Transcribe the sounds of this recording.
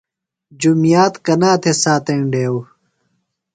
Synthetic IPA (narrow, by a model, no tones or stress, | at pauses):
d͡ʑumijaːt̪kɐnaːt̪ʰesaːt̪ɐiɳɖeːw